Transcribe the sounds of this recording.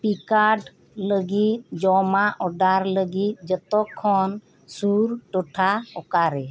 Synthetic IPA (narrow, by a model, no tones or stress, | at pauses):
pikaɖ | ləɡit̪̚d͡ʒɔmaʔɔɖaɾləɡit̪̚d͡ʒət̪ɔkʰːɔn | suɾʈɔʈʰaɔkaɾɛ